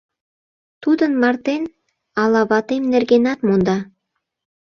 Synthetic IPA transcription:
t̪ud̪ɤ̆nmɑrt̪en | ɑlɑβɑt̪emnɘ̆rɡenɑt̪mund̪ɑ

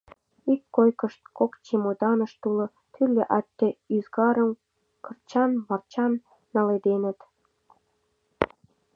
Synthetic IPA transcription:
ikːojkəʃt̪̚kokt͡ɕemod̪ɑnəʃt̪ulŏ | t̪ʰylʲːeʔɑt̪ːĕyzɡɑɾəm | kərt͡ɕɑnβɑrt͡ɕɑnː | ɑled̪enə̆t̪

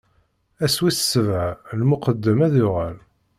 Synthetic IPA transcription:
æswiθsəvʕalmʊqəd̪ːəmæðʊʁæl

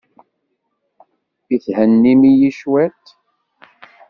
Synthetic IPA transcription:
iθhənːimijiʃwæt̪

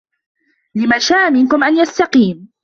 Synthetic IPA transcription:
lɪmaʃaːʔmɪnkʊmʔanjast̪ɑqiːm

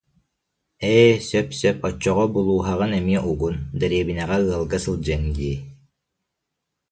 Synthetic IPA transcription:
ɛsœpsœpɔt͡ʃːɔʁɔbulˠuːɦaʁɯnɛmiɛʔuɡund̪ɛɾiɛbinɛʁɛɯɐlˠɡasɯlˠd͡ʑɛŋɡi

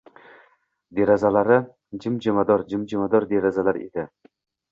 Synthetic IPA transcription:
d̪eɾazalaɾɪ | d͡ʒɪmd͡ʒɪmad̪ɒɾd͡ʒɪmd͡ʒɪmad̪ɒɾd̪eɾazalaɾḛd̪ɪ

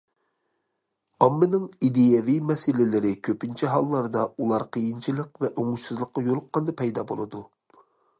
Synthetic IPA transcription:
ɑmːɨnɨŋid̪ejɛvijmɛsɪlɪlɪɾɪkʲʰøpɪnt͡ʃʰɛɦɑlˠːɑɾd̪ɑulˠɑɾqʰəjint͡ʃʰilˠəqvɛʔoŋuʃsɨzlˠəqːɑjolˠʊqːɑnd̪ɑpʰɛjd̪ɑːbo̰lˠɨd̪u

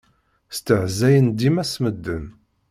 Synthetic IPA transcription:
st̪əʕzæjənd̪imæsməd̪ːən

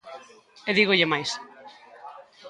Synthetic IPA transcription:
eðiɣʊʎɪmajs

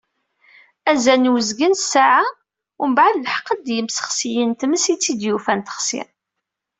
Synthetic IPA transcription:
æzænwəzɡənsaʕa | ʊmbʕəd̪lħə̥qːəd̪jəmsə̥χsijənt̪məsit͡sːid̪jufænt̪ə̥χsɪ̰

